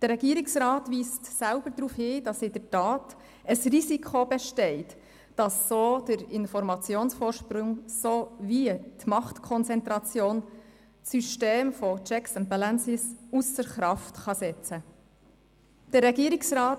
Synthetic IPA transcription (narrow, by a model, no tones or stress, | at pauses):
d̥əɾːɛɡ̥iəɾɪksɾɑːtʋiːstsælb̥əɾd̪ɾuːfhiːd̥ɑsɪdəɾtɑːt | əsrisikʰobɛʃtɛɪt | d̥ɑsːoːd̥əɾɪnfɔɾmɑt͡sjoːnsfoːɾʃpɾʊŋsoʋiətmɑχtkʰɔnt͡sɛnt̪ɾɑt͡sjoːn | syʃteːmfɔt͡ʃɛksəntbɛlansɪsusəɾχɾɑftχɑsɛt͡sə | d̥ərːɛɡiəɾɪksɾɑːt